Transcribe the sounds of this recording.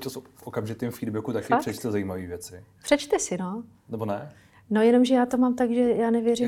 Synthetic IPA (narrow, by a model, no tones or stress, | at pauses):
t͡ʃosfʔokamʒɪt̪imfiːdbɛkut̪akfɪarɛt͡ʃt̪ɛzajiːmaviːvjɛt͡sɪpr̥ɛt͡ʃt̪ɛsɪno̞ | nɛbonɛ | no̞jɛno̞mʒɛjaːt̪o̞maːmt̪aɡʒɛjaːnɛvjɛrɪm